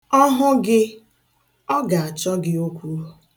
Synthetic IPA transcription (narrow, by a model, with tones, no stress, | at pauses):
ɔ˦ɦʊ˦ɡɪ˦ | ɔ˦ɡa˨a˨t͡ʃɔ˦ɡɪ˦o˦kʷu˦ɾo˨